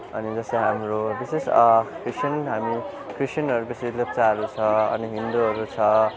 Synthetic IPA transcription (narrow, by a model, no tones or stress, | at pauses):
ʌnid͡zʌseɦamɾobisesʌkrisʌnɦami | krisʌnʌɾubiseslʌp̚t͡saɦʌɾut͡sʰʌʌ̰niɦind̪uɦʌɾut͡sʰʌ